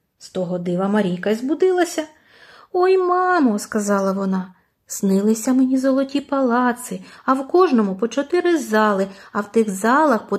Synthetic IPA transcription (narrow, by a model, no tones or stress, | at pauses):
st̪ɔɦɔd̪ɪʋɐmɐɾʲijkɐizbʊd̪ɪlˠɐsʲɐ | ɔjmɑmɔskɐzɑlˠɐʋɔnɑ | snɪlˠɪsʲɐmenʲizɔlˠɔtʲipɐlˠɑt̪sɪɐwkɔʒnɔmʊpɔt͡ʃɔt̪ɪɾɪzɑlˠɪɐwt̪ɪxzɑlˠɐxpɔ